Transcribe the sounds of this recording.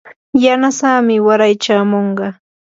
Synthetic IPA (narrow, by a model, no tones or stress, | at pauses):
janasaːmɪwaɾajt͡ʃaːmoɴɢɑ